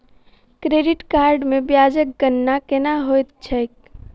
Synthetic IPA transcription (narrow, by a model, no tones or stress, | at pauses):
kɾeɖiʈkaɾɖmebjad͡ʒək̚ɡənːakenaɦojt̪̚t͡ʃʰəjk